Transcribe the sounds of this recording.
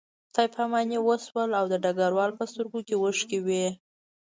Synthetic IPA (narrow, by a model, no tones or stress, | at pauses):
t̪ɑjpʰamɑnewəswəlawd̪əɖaɡaɾwɑlpəst̪əɾɡokewəʂkewe